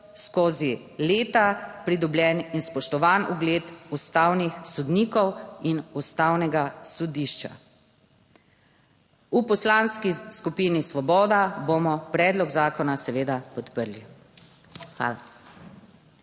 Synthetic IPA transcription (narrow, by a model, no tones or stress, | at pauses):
skoːzi | leːt̪apɾid̪ɔblʲjɛninspɔʃt̪ɔʋaːnuɡleːt̪ust̪aːwnixsɔd̪niːkɔwinust̪aːwnɛɡasɔd̪iːʃt͡ʃa̰ | upɔslaːnskiskupiːnisʋɔbɔːd̪abomɔpɾɛːd̪lɔɡzaːkɔnasɛʋeːd̪apɔt̪pəɾli | xʋa̰ːla